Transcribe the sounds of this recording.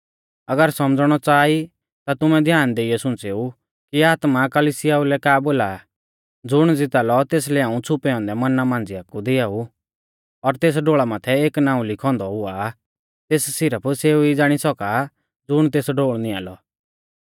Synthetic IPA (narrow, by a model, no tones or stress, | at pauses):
ɐɡəɾsɔmd͡zɽ̃ɔt͡saːi | t̪at̪ʊmɛ̃d̪ʱjaːnd̪eːiɛsʊ̃nt͡seu | kiaːt̪makəlisɪjaulɛkaːboːla | d͡zʊɽ̃d͡zɪt̪aːlɔt̪eːs̬lɛãːũt͡sʰʊpɛɔ̃ːnd̪ɛmɐnamãːnd͡ziakːud̪ɪaːu | ɔɾt̪eːs̬ɖoːɭamãːt̪ʰɛeːknãːũlɪkʰɔ̃ːnd̪ɔɦʊa | t̪eːssɪɾəpʰseːuid͡zaːɽ̃isɔka | d͡zʊɽ̃t̪eːsɖoːɭnĩa̰ːlɔ